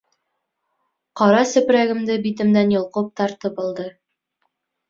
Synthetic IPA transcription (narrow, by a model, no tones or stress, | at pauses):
qɒɾɑsɵ̆pɾæɡɘ̆md̪ɘbit̪ɘ̆md̪ænjŏlˠqɤp̚t̪ɑɾt̪ɤp̚ŏlˠd̪ɤ